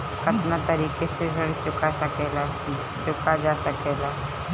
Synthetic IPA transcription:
kʰɐt̪nat̪ɐɾiːkeseɾəɽt͡ʃʊkasɐkeːla | t͡ʃʊkad͡ʒaːsɐkeːlaː

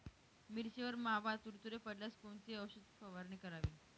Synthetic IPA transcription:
miɾɕeʋəɾmaɦaʋat̪uɾt̪uɾepəɽlaskoɳt͡siəwɕud̪̚fəʋaɾnikəɾaʋiːn

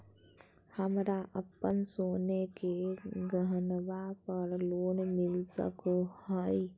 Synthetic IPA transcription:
həmɾaʔəpːənsonekeɡəɦənbapəɾloːnmilsə̰kohəɪ

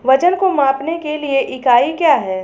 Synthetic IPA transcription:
ʋɐt͡ʃənkomãːpnekelieʔɪkaːikjaːɦɛː

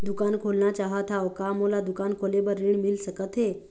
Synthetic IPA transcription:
d̪ukankʰolnat͡ɕaɦət̪ʰawkamolad̪ukankʰolebəɾiɳmilsəkət̪ɦe

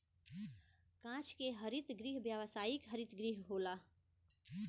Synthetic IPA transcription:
kãt͡ʃʰkeɦəɾit̪ɡɾiɦbjəwəsaːjikɦəɾit̪ɡɾiɦɦola

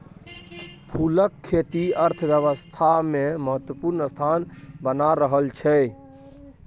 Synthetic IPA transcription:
pʰuləkʰːet̪iəɾt̪ʰəbjəʋəst̪ʰameməɦət̪wəpuɾnəst̪ʰanbənaɾəɦəlt͡ʃʰɛ

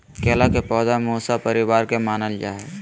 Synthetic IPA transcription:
keːlakepɔːd̪amuːsapəɾɪwaːɾkemaːnəld͡ʒa̰ːɛ

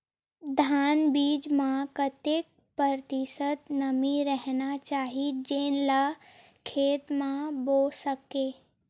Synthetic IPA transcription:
d̪ʱaːnbiːd͡ʒmãkɐt̪ɪk̚ | pəɾt̪isət̪nɐmiɾɛɦnat͡ʃaːɦid͡ʒenla | kʰeːt̪mãboːsɐkeː

